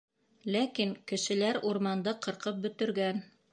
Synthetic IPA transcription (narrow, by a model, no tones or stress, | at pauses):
lækiŋkɘ̆ʃɘ̆læɾuɾmɑnd̪ɤqɤ̆ɾqɤp̚bɵ̆t̪ɘ̆ɾɡæn